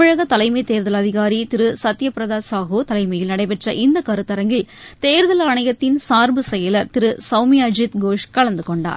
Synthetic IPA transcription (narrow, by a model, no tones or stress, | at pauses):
ɪɻɐɣɐt̪ɐlɐɪmɐɪt̪eːɾðɐlɐðɪɣaːɾit̪ɪɾɯsɐt̪ːɪjɐpɪɾɐðaːsaːɣoːt̪ɐlɐɪmɐjɪlnɐɽɐɪpɛʈrɐʔɪnd̪ɐkɐɾɯt̪ːɐɾɐŋɡɪl | t̪eːɾðɐlaːɳɐjɐt̪ːɪnsaːɾbɯsɛjɐlɐɾt̪ɪɾɯsɐʊmɪjad͡ʒɪt̪ɡoːʂkɐɭɐnd̪ɯkɔɳɖa̰ːɾ